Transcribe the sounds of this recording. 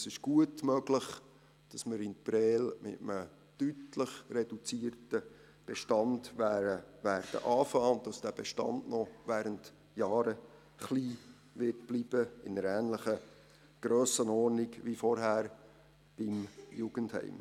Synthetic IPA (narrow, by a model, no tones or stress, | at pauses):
sɪʃɡ̥uətmœɡləχ | d̥ɑsməɾɪnpɾɛːlmɪ̰təmə | tytləχrɛd̥ut͡siːərtə | b̥ɛʃtɑndʋæəʋæːɾd̥ə̰ʔɑːfɑːʊd̥ɑsd̥æb̥ɛʃtɑ̰ndnɔʋæːɾənt | jɑːɾə | χliː | ʋɪrtb̥lib̥əɪnəɾæːnləχə | ɡ̥ɾøːsənɔrniɡʋifɔrɦæːɾ | b̥ɪmjuɡ̥ənthɛ̰ɪm